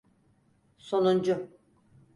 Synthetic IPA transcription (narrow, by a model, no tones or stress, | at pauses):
sonund͡ʒʊ